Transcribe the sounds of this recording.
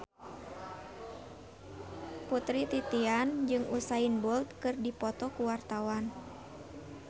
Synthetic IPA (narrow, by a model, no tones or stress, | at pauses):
put̪ɾit̪it̪iand͡ʒɨŋusainbɔlt̪̚kɨrdipɔt̪ɔkuwart̪awan